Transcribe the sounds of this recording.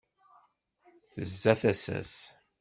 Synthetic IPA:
θəzːæθæsæ̰s

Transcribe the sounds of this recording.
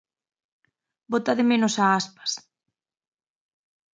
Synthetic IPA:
bot̪aðɪmẽnosaaspḁs

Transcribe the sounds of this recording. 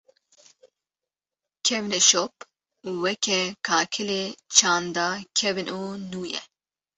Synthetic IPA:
kʰɛvnɛʃop | uwɛkʰɛkʰaːkʰɨleːt͡ʃʰɑːnd̪ɑːkʰɛvɨnʔuːnuːjɛ̰

